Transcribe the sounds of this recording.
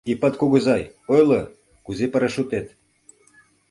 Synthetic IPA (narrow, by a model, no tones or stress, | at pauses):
ipɑt̪kuɣɤ̆zɑjojlɤ | kuzepəɾə̆ʃut̪et̪